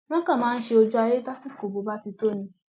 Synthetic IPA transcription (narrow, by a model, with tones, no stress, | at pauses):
nɔ̃˦kã˨mãː˨˦n̩˦ʃe˦o˦d͡ʒu˦a˨je˦ta˦si˦ko˨bo˨ba˦ti˧to˦˨nĩ˨˦